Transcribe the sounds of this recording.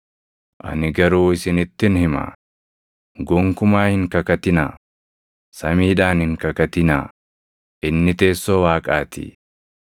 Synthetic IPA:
ʔɐ̰nɪɡɐɾuːɪsɪnɪt̪ːɪnhɪma̰ː | ɡɔŋkʊmaːhɪŋkɐkɐt̪ɪnaː | sɐmiːᶑaːnhɪŋkɐkɐt̪ɪna̰ | ʔɪnːɪt̪e̞ːsːowaːkʼaːt̪ɪ̰

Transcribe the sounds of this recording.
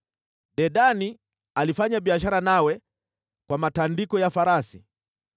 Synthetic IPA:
ɗɛɗani | alifaɲaɓiaʃaɾanawɛ | kwamatandikɔjafaɾasi

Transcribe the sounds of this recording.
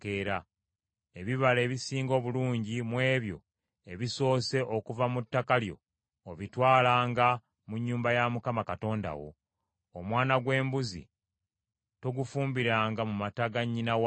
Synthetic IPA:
keɾa | e̞βiβale̞ːβisiːŋɡo̞ːβuluːɲɟimwe̞ːβjo̞̰ | e̞βiso̞ːse̞ʔo̞kuvamutːakaljo̞̰ː | βitwaːlaːŋɡa | muɲːuːmbajamukamakato̞ːnda̰wo̞̰ː | mwaːnaɡwe̞ːmbuzḭ | to̞ɡufuːmbiɾaːŋɡamumataɡaɲːinaw

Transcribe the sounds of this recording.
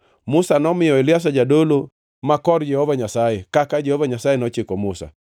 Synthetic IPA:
mʊsanɔmɪjɔelɪas̬ad͡ʒadolo | makɔrd͡ʒɛhovaɲasajɛkakad͡ʒɛhovaɲasajenɔt͡ʃɪkɔmʊsa̰

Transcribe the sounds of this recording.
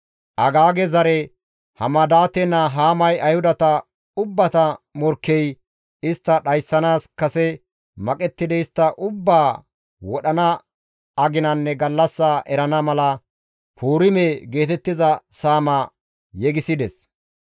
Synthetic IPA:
ʔɐɡaːɡɛzɐɾɛ | hɐmɐd̪aːt̪ɛnːɐɦaːmɐjɐjhʊd̪ɐt̪ɐ | ʊbːɐt̪ɐmɔɾkːɛj | ɪst̪ːɐɗɐjsːɐnaːskɐsɛ | mɐkʼɛt̪ːɪd̪ɛɪst̪ːɐʔʊbːaː | wɔɗɐnɐ | ɐɡɪnɐnːɛɡɐlːɐsːaʔɛɾɐnɐmɐlɐ | pʰuːɾɪmeɡe̞ːt̪ɛt̪ːɪzɐsaːmɐ | jɛɡɪsɪd̪ɛs

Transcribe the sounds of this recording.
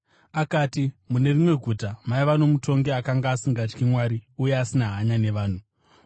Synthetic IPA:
akaːtimune̞rimwe̞ɡʱutamaiʋano̞mutʰo̞ŋɡe̞akaŋɡaːsiŋɡat͡ʃkimwaɾiuje̞asinaɦaɲane̞ʋaːn̤u

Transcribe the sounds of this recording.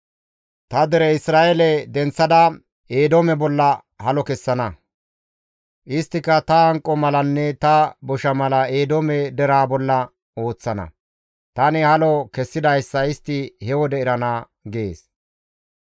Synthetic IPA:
t̪ɐd̪ɛɾɛɪsɾaːʔelɛd̪ɛnt͡sːɐd̪ɐ | eːd̪omɛbɔlːɐ | hɐlɔkɛsːɐnɐ | ʔɪst̪ːɪkːɐt̪ɐɐŋkʼːɔmɐlɐnːɛt̪ɐbɔʃɐmɐlɐeːd̪omɛd̪ɛɾaːbɔlːɐ | o̞ːt͡sːɐnɐ̰ | t̪ɐnɪhɐlɔkɛsːɪd̪ɐjsːɐɪst̪ːɪhɛwɔd̪ɛɪɾɐna | ɡe̞ːs

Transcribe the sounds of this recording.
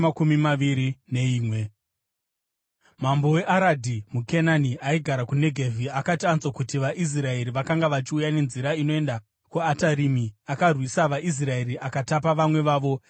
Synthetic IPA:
makumimaʋiɾine̞iːmwe | mambo̞we̞ʔaɾadʱimukenaniaiɡʱaɾakune̞ɡʱevʱiakatiant͡swakutiʋaʔis̬rae̞ɾiʋakaŋɡaʋat͡ʃiujane̞nziɾaino̞e̞nda | kuataɾimiakarwisaʋaʔis̬rae̞ɾiʔakatapaʋamwe̞ʋaːʋo̞

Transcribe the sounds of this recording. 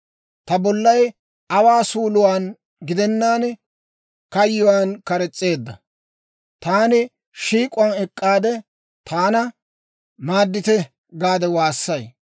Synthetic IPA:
t̪ɐbɔlːɐj | ɐwaːsuːlʊwaːn | ɡɪd̪ɛnːaːn | kɐjːʊwaːnkɐɾɛt͡sʼːe̞ːd̪ːɐ | t̪aːnɪ | ʃiːkʼʊɐnɛkʼːaːd̪ɛ | t̪ʰaːnɐ | maːd̪ːɪt̪ɛ | ɡaːd̪ɛwaːsːɐj

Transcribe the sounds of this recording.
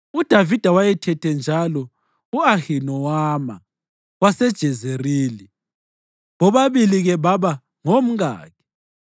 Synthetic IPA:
ud̥ʱavid̥ʱawajɛtʰɛtʰɛnd͡ʒʱalɔ | uahinɔwama̰ | wasɛd̥ʒ̥ʱɛzeriːli | ɣɔβaβiliɣɛβaβa | ŋom̩ɣa̰ːkʰɛ̥

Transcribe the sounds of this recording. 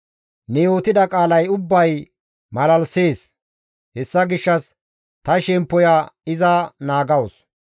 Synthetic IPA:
nɛjo̞ːt̪ɪd̪ɐkʼaːlɐjʊbːɐj | mɐlɐlse̞ːs | hɛsːɐɡɪʃːɐs | t̪ɐʃɛmpːɔjaɪzɐnaːɡɐwɔs

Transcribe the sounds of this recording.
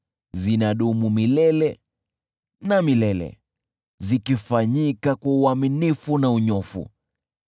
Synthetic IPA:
zinaɗumumilɛlɛ | namilɛlɛ̰ | zikifaɲikakwauaminifunauɲɔfṵ

